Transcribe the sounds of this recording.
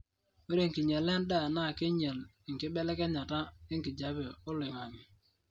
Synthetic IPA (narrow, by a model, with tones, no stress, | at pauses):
we˦ɾe˦˨ŋki˨ɲɛ˨lɛ˦nda˦˨na˦˨kɪ˦ɲɛ˨l | ɪ˨ŋ˨kɪ˦bɛ˦lɛ˦kɛ˦ɲa˨ta˦ɪ˦ŋkɪ˨d͡ʒa˨bɛ˨ʊ˦lɪ˨ŋa˨n˨